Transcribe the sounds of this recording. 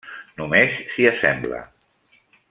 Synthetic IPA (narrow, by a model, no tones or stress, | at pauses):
numesːiəsɛmblə̰